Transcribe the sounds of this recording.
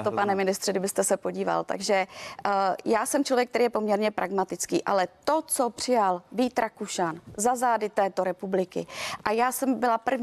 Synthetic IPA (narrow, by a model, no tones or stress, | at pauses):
t̪opanɛmɪnɪst̪r̥ɪɡdɪbɪst̪ɛsɛpo̞ɟiːva̰lt̪a̰ɡʒɛ | jaːsɛmt͡ʃlovjɛk̚t̪ɛɾiːjɛpo̞mɲɛɾɲɛpɾʔaɡmat̪ɪt͡skḭːʔa̰lɛt̪ot͡sopr̥ɪjalviːt̪ɾakuʃanzazaːdɪt̪ɛːt̪oɾɛpublɪkɪ̰ʔajaːsɛmbɪlapr̩v